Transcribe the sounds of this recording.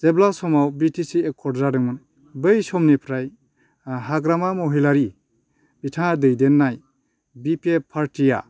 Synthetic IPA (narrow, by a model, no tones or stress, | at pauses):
zeblasɔmawbitʰisiekʰːɔɾzadɯŋmɯn | bɯjsɔmnipʰɾaj | ɦaɡɾamamɔɦilaɾi | bitʰaŋadɯjdenːaj | bipepʰaɾtija̰